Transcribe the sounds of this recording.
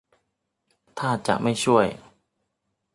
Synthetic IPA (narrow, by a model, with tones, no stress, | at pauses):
t̪ʰaː˥˩t͡ɕa̰˨˩ʔma˥˩jt͡ɕʰu˥˩əj